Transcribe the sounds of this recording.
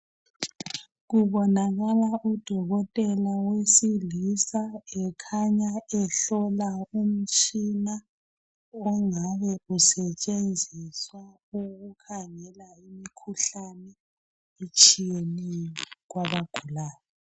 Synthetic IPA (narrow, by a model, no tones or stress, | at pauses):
ɣuβɔnaɣalaʔud̥ʱɔɣɔtʼɛlawesilisaɛkʰaɲaɛɬɔlaum̩t͡ʃʼina | ɔŋaβɛusɛt͡ʃʼend͡zʱiswa | uɣukʰaŋɛlaimikʰuɬanɛ | et͡ʃʼijenɛɣwaβaɡ̥ʱulaːjɔ